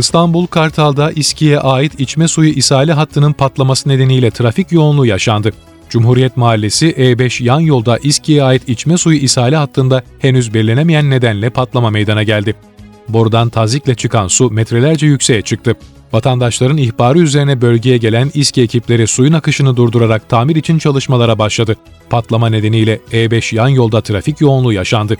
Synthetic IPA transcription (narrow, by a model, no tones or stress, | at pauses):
ɯst̪ʰanbulˠkʰaɾt̪ʰalˠd̪aʔiscʰijɛʔaːjit̪ʰit͡ʃmɛsujuʔisaːlʲiɦat̪ʰːɯnɯnpʰat̪lˠamasɯne̞d̪e̞nijlʲɛt̪ʰɾaficjo̞ːnlˠujaʃand̪ɯ | d͡ʒumɦuɾijɛt̪maːlʲːesiʔebɛʃjanjo̞lˠd̪aʔiscʰijɛaːjit̪it͡ʃmɛsujuʔisaːlʲiɦat̪ʰːɯnd̪ahenyzbɛlʲe̞nemijænːe̞d̪ænlʲɛpʰat̪lˠamamejd̪anaɟælʲd̪ɪ | boɾud̪ant̪ʰaziclʲɛt͡ʃʰɯkʰansumɛt̪ɾe̞lʲæɾd͡ʒɛjycʲse̞jɛt͡ʃʰɯk̚t̪ʰɯ | vat̪ʰand̪aʃlˠaɾɯniçbaːɾɯyze̞ɾinɛbø̞lʲɟe̞jɛɟe̞lʲænisciecʰiplʲe̞ɾisujunakɯʃɯnɯd̪uɾd̪uɾaɾak̚t̪ʰaːmiɾit͡ʃʰint͡ʃʰalˠɯʃmalˠaɾabaʃlˠad̪ɯ | pʰat̪lˠamane̞d̪e̞nijlʲɛeːbɛʃjanjo̞lˠd̪at̪ʰɾaficjo̞ːnlˠujaʃand̪ɯ